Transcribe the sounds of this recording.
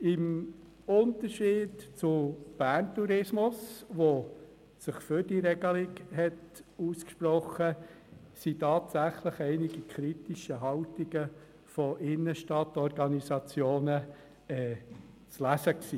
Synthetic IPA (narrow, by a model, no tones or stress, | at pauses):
ɪm | ʊntəɾʃiːdt͡sʊb̥æːntuɾɪsmʊsʋo | sɪχfʏd̥iɾɛɡəlɪkhɛtuːskʃprɔχə | sitɑːtsæχləχɛɪnɪɡikʰχɾitiʃəɦɑltɪɡə | fɔʔɪnːəʃtɑtɔɾɡɑnisɑt͡sjoːnə | ɛː | t͡slæsəksiː